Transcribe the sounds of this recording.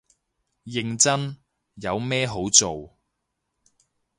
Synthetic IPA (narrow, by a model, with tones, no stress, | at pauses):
jɪ˨ŋt͡sɐ˥n | jɐ˨˧wmɛː˥ɦo˨˥wt͡so˨w